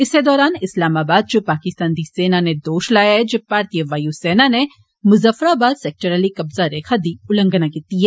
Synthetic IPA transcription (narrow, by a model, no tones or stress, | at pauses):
ɪsed̪ɔːɾaːnɪslaːmaːbaːd̪̚d͡ʒopaːkɪst̪ãːnd̪iseːnaned̪oːʃlaːjaɦɛd͡ʒɐpːaːɾt̪ijəʋaːjusɛːnane | mʊzəfəɾaːbaːd̪sɛk̚ʈəɾəlikɐbzaɾeːkʰad̪iʊlə̃ŋɡənakiːt̪iɦɛː